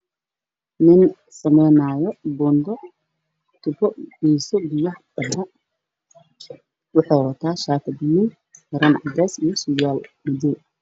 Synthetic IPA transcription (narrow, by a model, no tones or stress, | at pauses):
nɪn | sɐmɛjnaːjɔbɔːnd̪ɔ | t̪ʰʊbɔb̥iːsɔbɪjɐhbɐbɐ | wɑħɑːwɐt̪ʰaːʃaːt̪ʰɐd̪ɪni | ɡɐɾɐnʕɑ̰ɡaːsijɔsʊjaːlmɐdɔ